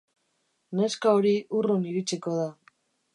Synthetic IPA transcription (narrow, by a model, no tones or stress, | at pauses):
ne̞skaoɾiuruniɾit͡siko̞ða